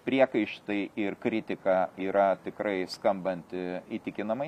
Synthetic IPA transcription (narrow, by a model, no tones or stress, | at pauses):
pʲɾʲiɛkɐɪʃt̪ɐɪʔɪrkɾʲɪt̪ʲɪkɑiːɾɐt̪ʲɪkɾɐɪskɐmbɐnʲt̪ʲɪit̪ʲɪkʲɪnɐmɐɪ